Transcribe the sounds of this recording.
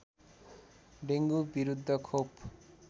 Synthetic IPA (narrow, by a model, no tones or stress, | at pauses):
ɖeŋɡubiɾud̪ʱːɔkʰop